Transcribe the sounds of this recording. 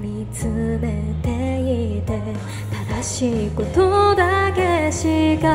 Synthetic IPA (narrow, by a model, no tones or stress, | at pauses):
mʲi | t͡sɨme̞t̪e̞it̪e̞ | t̪ad̪aɕiko̞t̪od̪ake̞ɕika